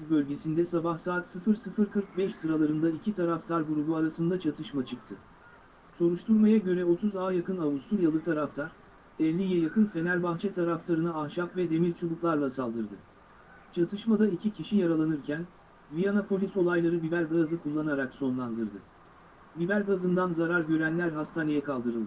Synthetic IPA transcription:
bø̞lʲɟe̞sind̪ɛsabahsaːt̪sɯfɯɾsɯfɯɾkʰɯɾk̚bɛʃsɯɾalˠaɾɯnd̪aicʰit̪ʰaɾaft̪ʰaɾbuɾubuaɾasɯnd̪at͡ʃʰat̪ʰɯʃmat͡ʃʰɯk̚t̪ʰɯ | so̞ɾuʃt̪ʰuɾmajaɟø̞ɾɛo̞t̪ʰuzaːjakɯnaβust̪ʰuɾjalˠɯt̪ʰaɾaft̪ʰaɾ̥ | ɛlʲːijɛjakʰɯnfe̞nælʲbaxt͡ʃʰɛt̪ʰaɾaft̪ʰaɾɯnɯaxʃapvɛd̪e̞miɾʲt͡ʃʰubuklˠaɾlˠasalˠd̪ɯɾd̪ɯ | t͡ʃʰat̪ʰɯʃmad̪aicʰicʰiʃijaɾalˠanɯɾcʰæn | vijanapʰo̞lʲiso̞lˠajlˠaɾɯbibæɾɡazɯkʰulˠːanaɾakso̞nlˠand̪ɯɾd̪ɯ | bibæɾʲɡazɯnd̪anzaɾaɾɟø̞ɾænlʲæɾɦast̪ʰaːnejɛkʰalˠd̪ɯɾɯlˠd̪ɯ

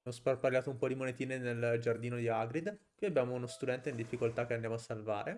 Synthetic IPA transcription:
mosparparljaːt̪oumpɔd̪imonet̪iːneneld͡ʒard̪iːnod̪iaɡɾid̪pɔjabjaːmounost̪ud̪ɛnt̪eind̪ifːikolt̪ak̟ːeand̪jamoasːalva̰ːɾe

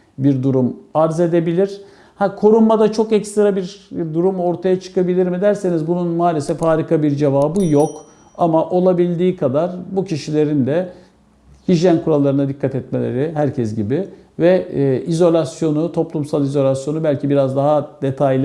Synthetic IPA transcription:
biɾd̪uɾumaɾze̞d̪e̞bilʲiɾ̥ | hakʰo̞ɾummad̪at͡ʃʰo̞kɛcst̪ʰiɾabiɾd̪uɾumo̞ɾt̪ʰajat͡ʃʰɯ̥kabilʲiɾmid̪æɾse̞nizbununmaːlʲesɛfaːɾikʰabiɾd͡ʒevaːbɯjo̞k | amaʔo̞lˠabilʲd̪iːkʰad̪aɾbucʰiʃilʲe̞ɾind̪ɛ | hiʒjænkʰuɾalˠːaɾɯnad̪ikʰːat̪ɛt̪̚me̞lʲḛɾiɦæɾcʰɛs̬ɟibi | vɛʔizo̞lʲasjo̞nut̪ʰo̞plˠumsalˠizo̞lʲasjo̞nubælʲcʰibiɾazd̪aɦad̪̥e̞t̪ʰajlʲ

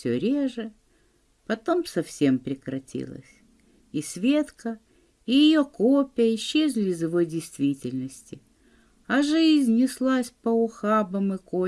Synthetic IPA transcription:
fsʲɵ̰ɾʲeʐɨ | pɐt̪o̞msɐfsʲe̞mpɾʲɪkɾɐtʲḭlˠə̰sʲ | isʲvʲe̞t̪kə | ɪjɪjokopʲɪjəɪɕːezʲlʲɪɪzɪvo̞jdʲɪjst̪vʲitʲɪlʲnəsʲtʲɪ | ɐʐɨɪzʲnʲːɪslˠasʲpəʊxabəmɨko

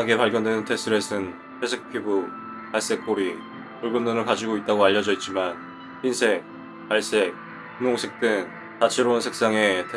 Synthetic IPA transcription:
aɡe̞paɭɡjʌndwe̞nntʰe̞sʰɯɾe̞sʰɯn | tʰesʰek̚pʰibu | paɭs͈e̞k͈̚ʰoɾi | puɭɡɯndonɯɭkad͡ʑiɡoit̚t͈aɡoaʎːʌd͡ʑʌit̚t͡ɕ͈iman | ɸinsʰe̞k̚ | paɭs͈ek̚ | kunoŋsʰe̞k̚t͈ɯŋn | tat͡ɕʰeɾoɯnsʰe̞k̚s͈aŋe̞tʰe

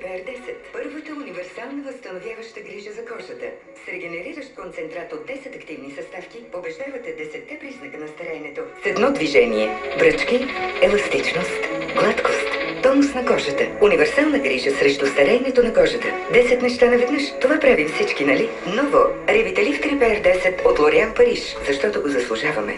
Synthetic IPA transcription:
pɛɛɾd̪ɛsɛt̪pəɾvət̪əunivɛɾsalˠnəvəst̪ɐnovjavɐʃt̪əɡɾiʒəzɐkɔʒət̪ə | sɾɛɡɛnɛɾiɾəʃt̪̚kont̪sɛnt̪ɾat̪od̪ːɛsɛt̪ɐkt̪ivnisɐst̪afkiobɛʒd̪avɐt̪ɛd̪ɛsɛt̪ːɛpɾiznɐkənɐst̪ɐɾɛnɛt̪osɛd̪nɔd̪viʒɛniɛvɾət͡ʃkiɛlˠɐst̪it͡ʃnost̪ɡlˠat̪kost̪t̪ɔnosnɐɡɔʒət̪əunivɛɾsalˠnəɡɾiʒəsɾɛʃt̪ust̪ɐɾɛniɛt̪onɐkɔʒət̪ə | d̪ɛsɛt̪nɛʃt̪anɐvɛd̪nəʃt̪ovapɾavimfsit͡ʃkinɐli | nɔvoɾibit̪ɛlift̪ɾipɛɾd̪ɛsɛt̪ot̪lˠoɾɛanpɐɾiʃ | zɐʃt̪ɔt̪oɡozɐslˠuʒavɐmɛ̰

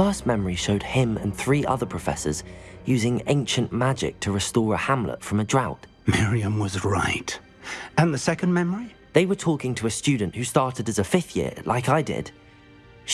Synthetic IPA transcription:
ɜˑ˞st̚mɛmə˞iʃoʊd̚ɪ̃mə̰̃nθɹiːʔʌ̰ðə˞pʰɹ̥əfɛ̰sə̰zjʉːzɪ̃ŋḛ̃ɪ̃nʃə̃nmad͡ʒɪ̰k̚tʰəɹɨstɔːɹəhãmlə̰tfɹʌ̃mədɹaʊt | mɪɹiɨ̃mwʌzɹaɪt | ɨ̃nðɨsɛkɨ̃nmɛmə˞i | ðeɪwə˞tʰɔˑkɪ̃ŋtʰəːstʉdⁿn̩ʔhʉstɑɹtɨdɨzəfɪθjɪ̰ɹlʔa̰ɪkaɪdɪ̰d̥

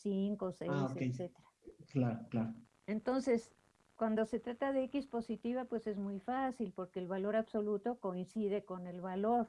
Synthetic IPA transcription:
siŋkoseseeset̪eɾaklaɾoklaɾo | e̞nt̪o̞nse̞s | kwand̪o̞se̞t̪ɾat̪að̞eekispo̞sit̪iβapwe̞se̞zmujfasilpo̞ɾke̞ːlβalo̞ɾaβso̞lut̪o̞ko̞insið̞e̞ko̞ne̞lβalo̞ɾ

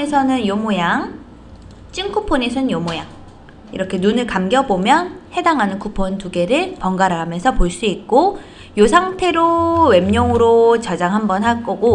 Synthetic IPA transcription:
esʰʌnɯnjomojaŋ | t͡ɕ͈inkʰupʰone̞sʰʌnɯnjomojaŋ | iɾʌkʰe̞nunɯɭkamɡjʌbomjʌnhe̞daŋɦanɯnkʰupʰontuɡe̞ɾɯɭpʌŋɡaɾɯɦamjʌnsʰʌpoɭs͈uik̚k͈o | josʰaŋtʰe̞ɾowe̞mɲʌŋɯɾot͡ɕʌd͡ʑaŋɦambʌnhak͈oɡo

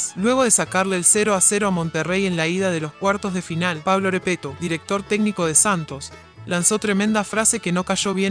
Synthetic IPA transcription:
lwe̞ɣo̞ð̞e̞sakaɾleːlseɾoaseɾoamo̞nt̪ere̞je̞nlaið̞aðe̞lo̞skwaɾt̪o̞zðe̞finalpaβlo̞ɾepet̪oðiɾek̚t̪o̞ɾt̪eɡniko̞ð̞e̞sant̪o̞s | lanso̞t̪ɾe̞mẽnd̪afɾase̞keno̞kaʒo̞βje

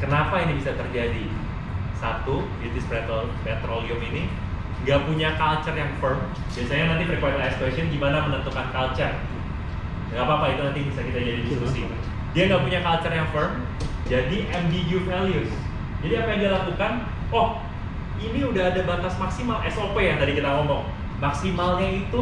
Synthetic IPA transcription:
kənapainibisat̪ərd͡ʒadi | sat̪ubit̪ɪspɛt̪opɛt̪ɾoliʊmini | ŋɡapuɲakalt͡ʃərjaŋfərm | biasaɲanant̪ipɾikwɛt̪aɛst̪wesɔnɡimanamənənt̪ukankalt͡ʃər | dŋapaːpait̪unant̪ibisakit̪ad͡ʒadidist̪ɾuksi | diaŋɡapuɲakalt͡ʃərjaŋfərm | d͡ʒadiʔɛmdid͡ʒufɛljus | d͡ʒadiapajdialakukan | wɔh | iniudaɦadabant̪asmaksimalɛsopejaŋt̪adikit̪aŋɔmbɔŋ | maksimalɲait̪u

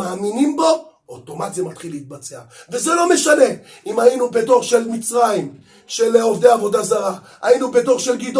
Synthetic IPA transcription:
aːminimbo̞ | ot̪o̞matzemat̪χileit̪̚bat͡seavezelo̞me̞ʃane̞ | imainupet̪o̞ʁʃelmit͡sʁaim | ʃeleovdeavo̞d̪azaʁa | ainupeto̞ʁʃelɡid̪o

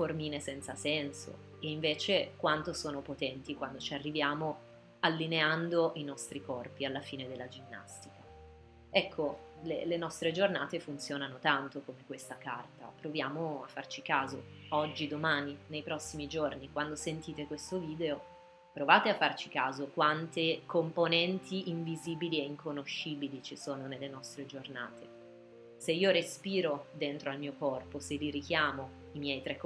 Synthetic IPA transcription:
formiːnesɛnt̪sasɛnso̰ | eiɱveːt͡ʃekwant̪osoːnopot̪ɛnt̪ikwand̪ot͡ʃiarːivjaːmo | alːineand̪oinɔst̪ɾikɔrpialːafiːned̪elːad͡ʒinːa̰st̪ika | ɛkʰːo | lḛlenɔst̪ɾed͡ʒornaːt̪efunt̪sjoːnanot̪ant̪okomekwest̪akart̪a̰pɾovjaːmoafːart͡ʃikaːzo | ɔd͡ʒːid̪omaːninejpɾɔsːimid͡ʒornikwand̪osent̪iːt̪ekwest̪oviːd̪eo | pɾovaːt̪eafːart͡ʃikaːzokwant̪ekomponɛnt̪ʰiiɱviziːbiliɛiŋkʰonoʃːiːbilit͡ʃisoːnonelːenɔst̪ɾed͡ʒorna̰ːt̪ʰe | seiːoɾespiːɾod̪ent̪ɾoalmiːokɔrposeliɾikjaːmo | imjɛjt̪ɾɛk

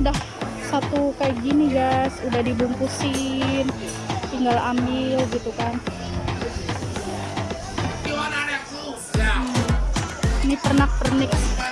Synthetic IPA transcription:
udah | sat̪ukaid͡ʒiniɡasudahdibuŋkusɪn | t̪iŋɡalamɪlɡit̪ukan | nipərnak̚pərnɪk̚

